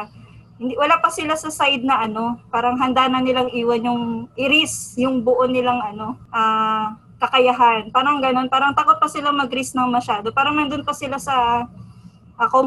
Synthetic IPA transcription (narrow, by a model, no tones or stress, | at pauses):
hɪnd̪iwɐlapɐsɪlasɐsajd̪̚nɐʔɐno̞paːɾɐŋɦɐnd̪aːnɐnɪlaŋʔiːwɐnjʊŋʔɪɾɪsjʊŋboʔonɪlaŋʔɐno̞ʔaː | kɐkɐjaɦanpaːɾɐŋɡɐno̞npaːɾɐŋt̪aːko̞t̪̚pɐsɪlaŋmɐɡɾisnɐŋmɐʃaːd̪o̞paːɾɐŋmɐnd̪ʊnpɐsɪlasɐ | ʔɐkom